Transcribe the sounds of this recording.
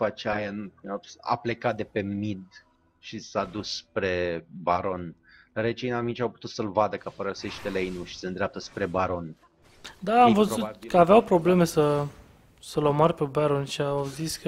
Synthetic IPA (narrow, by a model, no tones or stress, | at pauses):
fat͡ʃajana̰ple̞kat̪̚d̪epe̞mid̪ | ʃisad̪usːpɾe̞baɾo̞nɾet͡ʃejnamint͡ʃawpu̥t̪ut̪səlvad̪əkapəɾəse̞ʃt̪eleinuʃi̥send̪ɾeap̚t̪əspɾe̞baɾo̞n | d̪aːmvəzukəaveawpɾo̞ble̞me̞sə | səlomarʲpebaɾo̞nʃiawziskə